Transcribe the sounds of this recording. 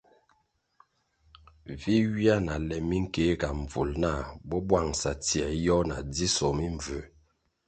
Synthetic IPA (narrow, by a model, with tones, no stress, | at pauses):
vi˦wi˦a˦na˨lɛ˨mi˦ŋ̩˦ke˨˦ka˨ɱ˨vu˨lna˦˨bɔ˦bwa˦˨ŋsa˨tjɛ˨jɔ˦na˨d͡zi˦sɔ˨mi˦ɱ˨və˨